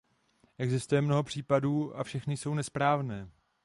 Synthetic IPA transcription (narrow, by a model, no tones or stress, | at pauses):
ʔɛɡzɪst̪ujɛmno̞ɦo̞pr̝̥iːpaduːa̰fʃɛxnɪso̞wnɛspɾaːvnɛː